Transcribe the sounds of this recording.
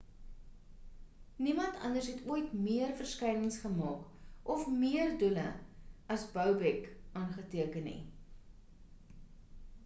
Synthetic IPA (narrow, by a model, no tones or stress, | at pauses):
nimɐntʰɐ̰ndərsɦɛtuəjtmiərfərskɛjnəŋsχəmɑːkʔɔfmiərdulə̰ɐsbœwbɛkɑːnχətiəkənḭ